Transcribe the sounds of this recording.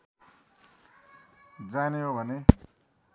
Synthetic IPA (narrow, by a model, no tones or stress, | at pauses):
d͡zaneɦobʱʌne